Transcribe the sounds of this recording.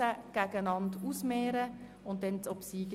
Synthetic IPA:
əɡ̥ɛɡənɑnduːsmeːɾə | ʊnt̚d̥ɛntɔpsiːɡ

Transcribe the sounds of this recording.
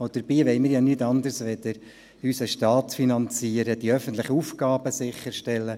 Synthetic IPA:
od̥əɾbiːʋɛɪmɪːɾjɑnytɑnd̪əɾsʋɛd̪əɾ | ysəʃtɑːtfinɑnt͡siəɾəd̥iœfən̩t̪lɪχəufɡ̥ɑːb̥əsɪχːəɾʃtɛlːə

